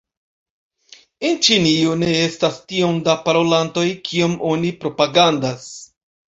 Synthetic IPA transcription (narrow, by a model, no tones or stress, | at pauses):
ent͡ʃinione̞e̞stastio̞ndapaɾo̞lanto̞jkʰio̞mo̞nipɾo̞paɡandas